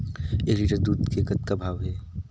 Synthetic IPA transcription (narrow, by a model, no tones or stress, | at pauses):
eːɾiʈəɾd̪uːd̪kekɐt̪̚kabʱaːʋɦɛː